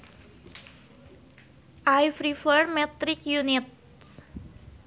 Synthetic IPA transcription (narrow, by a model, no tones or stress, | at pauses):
ʔaɪfɾifəɹmɛt̪ɾɪkjʉnɪt̪̚